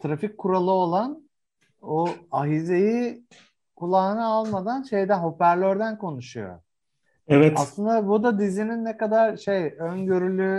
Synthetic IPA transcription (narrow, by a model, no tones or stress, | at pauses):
t̪ʰɾafic̚ʲkʰːuɾalˠɯo̞lˠan | oaɦize̞ji | kʰulˠaːɯnɯalˠmad̪anʃe̞jd̪ænho̞pæɾlʲøɾd̪ænkʰo̞nuʃujo̰ | ɛvɛaslˠɯnd̪abud̪ad̪izininːekad̪aɾʃe̞jønɟø̞ɾylʲy